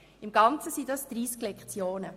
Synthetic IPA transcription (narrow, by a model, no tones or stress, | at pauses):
ɪmɡ̥ɑnt͡səsidɑsd̪̥ɾiːsklɛkt͡sjoːnə